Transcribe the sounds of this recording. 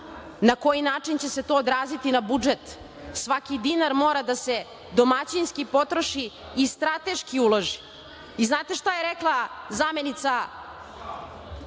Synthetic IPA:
nako̞jinaːt͡ʂint͡ɕe̞se̞t̪o̞ːd̪ɾaːzit̪inabud͡ʒet̪ | sʋakid̪inaɾmo̞ːɾad̪ase̞ | d̪o̞mat͡ɕinskipo̞t̪ɾoʃiː | st̪ɾat̪e̞ʃkiuloʒi | iznaːt̪e̞ʃt̪ajeɾeklˠazame̞nit̪sa

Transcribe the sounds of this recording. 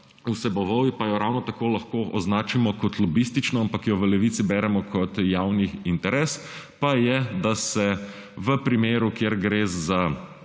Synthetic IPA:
usɛbɔʋɔjipajɔɾawnɔt̪akoːlɐxkoːʔɔznaːt͡ʃimɔkɔt̪lɔbist̪it͡ʃnɔampakjɔʋəlɛʋiːt̪sibɛːɾɛmɔkʰɔt̪jaːwnixint̪ɛɾeːs | pajɛd̪asɛ | ʋəpɾimeːɾukjeɾɡɾezza

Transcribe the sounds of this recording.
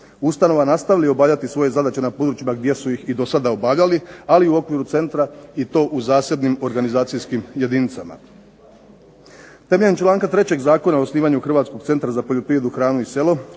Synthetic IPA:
ust̪ano̞ʋanast̪aʋilio̞baːʋʎʲat̪isʋo̞je̞zad̪at͡ɕenapod̪ɾut͡ɕimaɡd̪je̞sujixid̪o̞sad̪ao̞baʋʎʲalialiuo̞kʋiːɾut̪se̞nt̪ɾait̪o̞ːʔuzaːsje̞d̪nimo̞ɾɡanizaːt̪sijskimje̞d̪iːnit̪sama̰ | t̪e̞meʎeemt͡ʃlˠaːŋkat̪ɾe̞t͡ɕe̞ɡzaːko̞nao̞sniːʋaɲuxr̩ʋaːt̪sko̞ɡ̚t̪se̞nt̪ɾazapo̞ʎo̞pɾiʋje̞d̪uxɾaːnuise̞lˠo̞

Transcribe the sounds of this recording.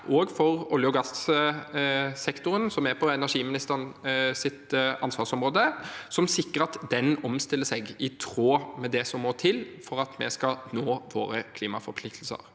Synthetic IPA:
ʔoːɡfɔʁʊljəʊɡɑs | sɛkt̪ʊɾənsɔmæɾpʰɔɛnæʂiːmɪnɪst̪əʁnsɪt̪ʔɑnsʋɑːʁʂɔmʁoːd̪əsɔmsɪkːəɾɑt̪d̪ɛnɔmst̪ɪlːəsɛɡɪt̪ʰɾoːmɛd̪ɛsɔmːoːt̪ʰɪlfɔɾɑt̪mɛ̰skɑnoːʋo̰ːɾəkʰliːmɑfɔɾpʰlɪk̚t̪l̩sə̰ɾ

